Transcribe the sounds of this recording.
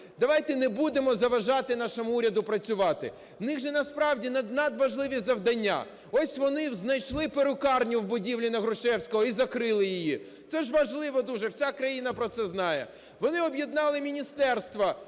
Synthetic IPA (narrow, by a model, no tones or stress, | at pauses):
d̪ɐʋɑjt̪ɛnɛbud̪emɔzɐʋɐʒɑt̪ɪn̪ɑʃɔmʊuɾʲɐd̪ʊpɾɐt͡sʲʊʋɑt̪ɪ | nɪɣʒɛnɐspɾɑwdʲinɐd̪nɐd̪ʋɐʒlˠɪʋʲizɐwd̪ɐnʲːa̰ | ɔsʲʋɔnɪznɐjʃlˠɪpeɾʊkɑrnʲʊwbʊdʲiwlʲinɐɦɾʊʃɛwsʲkɔɦɔizɐkɾɪlˠɪjɪji | t̪sɛʒʋɐʒlˠɪʋɔd̪uʒɛwsʲakɾɐjinɐpɾɔt̪sɛznɑjɛ | ʋɔnɪɔbjɛd̪nɑlˠɪmʲinʲist̪ɛrst̪ʋɐ